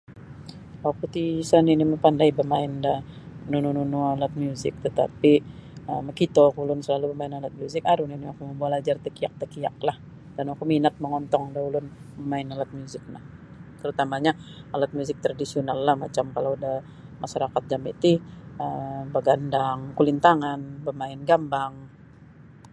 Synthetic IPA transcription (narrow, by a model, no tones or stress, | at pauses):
akut̪isaniniməpandaibəmaɪndaənunununualat̪̚mjuzɪ̰k̚t̪ət̪a̰piəməkit̪okulʊnsəlalubəmaɪnalat̪̚mjuzɪkaɾuniniakuməmbualad͡ʒart̪əkiak̚t̪əkia̰k̚lah | d̥anakuminat̪̚məŋɔnt̪ɔŋdaulʊnpəmaɪnalat̪̚mjuzɪk̚nah | t̪əɾut̪amaɲaalat̪̚mjuzɪk̚t̪ɾadisionalːahmat͡ʃamkaladah | maʃaɾakat̪̚d͡ʒamḭt̪iəmbəɡandaŋkulint̪aŋanbəmaɪnɡambaŋ